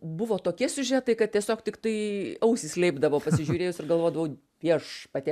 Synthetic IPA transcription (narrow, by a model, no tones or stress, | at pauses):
bʊʋoːt̪oːkʲiɛsʲʊʒʲæːt̪ɐɪkɐt̪̚t̪ʲiɛsʲoːkt̪ʲɪkt̪ɐɪɐʊsʲɪsʲlʲɛɪbd̪ɐʋoːpɐsʲɪʒʲuːɾʲeːjʊsɪrɡɐlˠʋoːd̪ɐʋɐʊ | ʋʲiɛʃpɐt̪ʲi